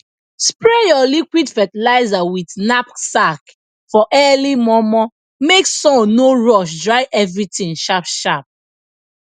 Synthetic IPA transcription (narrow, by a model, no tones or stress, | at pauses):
spɹɛjɔlikwidfɛtɛlaɪzawitnapsak | fɔʔɛlimɔmɔ | meksɔ̃noɹɔʃ̬dɹaɪʔɛvɹitĩŋʃapʃap̚